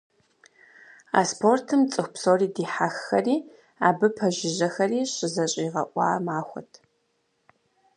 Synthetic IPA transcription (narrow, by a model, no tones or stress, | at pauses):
a̰ːspʰortʰɨmt͡sʼɨxʷpsoːriːdiːħaxːɐ̰riː | aːbɨpʰɐʒɪʑɐxɐriːɕɪzɐɕʼiːʁɐʔʷʼɑ̰ːmaːxʷɔ̰tʰ